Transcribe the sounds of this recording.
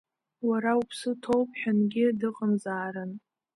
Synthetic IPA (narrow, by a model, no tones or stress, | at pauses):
waɾaupʰsɨtʰowpʼħanɡʲɪdɨqʼəmzaːɾɨn